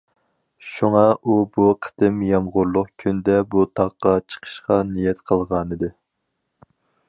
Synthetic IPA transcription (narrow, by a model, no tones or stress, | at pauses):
ʃuŋɑubuqʰə̥d̪̥ɪmjɑmʁʊɾlˠʊqkʲʰynd̪ɛbut̪ʰɑqːɑt͡ʃʰə̥qʰə̥ʃqɑnijɛt̪qʰəlˠʁɑnɨd̪ɨ